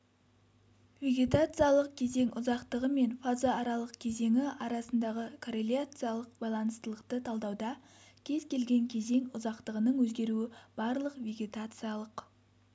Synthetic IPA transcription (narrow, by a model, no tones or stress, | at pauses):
vʲe̞ɡʲe̞t̪at̪sɨjalˠəq̚kʲʰe̞ze̞ŋʊzɑqt̪əʁəme̞nfazoɑɾɑlˠəqkʲʰe̞ze̞ŋɪɑɾɑsənd̪ɑʁəkʰoɾelʲjat̪sɨjalˠəq̚bɑjlˠɑnəst̪əlˠəqt̪ət̪ʰɑlˠd̪ɑwd̪ɑ | kʲʰe̞zkʲʰe̞lɡʲe̞ŋkʲʰe̞ze̞ŋʊzɑqt̪əʁənəɴwɵzɡʲe̞ɾuɪb̥ɑɾlˠəqvʲe̞ɡʲe̞t̪at̪sɨjalˠəq